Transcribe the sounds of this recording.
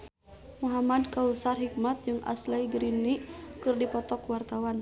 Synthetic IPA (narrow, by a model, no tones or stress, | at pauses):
muɦamadkausarɦik̚mat̪̚d͡ʒɨŋʔa̰slajɡəɾinːikɨrdipɔt̪ɔkwart̪awan